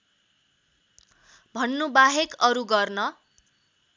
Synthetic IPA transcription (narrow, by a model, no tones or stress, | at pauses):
bʱʌnːubaɦekʌɾuɡʌrnʌ